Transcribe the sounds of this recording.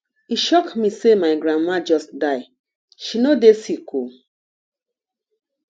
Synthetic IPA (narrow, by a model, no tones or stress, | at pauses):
iʃɔkmisemaɪɡɾãnmãd͡ʒɔstdaɪ | ʃinodesikʰu